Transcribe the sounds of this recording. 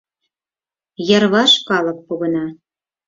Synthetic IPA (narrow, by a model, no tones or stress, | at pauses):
jɑrβɑʃkɑlɤ̆k̚puɣə̆nɑ